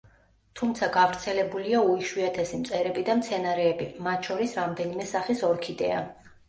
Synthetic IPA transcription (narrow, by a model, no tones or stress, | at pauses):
t̪ʰumt̪sʰaɡavɾt̪sʰɛlɛbuliauiʃwiat̪ʰɛsimt̪sʼɛɾɛbid̪amt̪sʰɛnaɾɛːbimat̪ʰʃɔɾisɾamd̪ɛnimɛsaχisɔɾkʰid̪ɛ̰a̰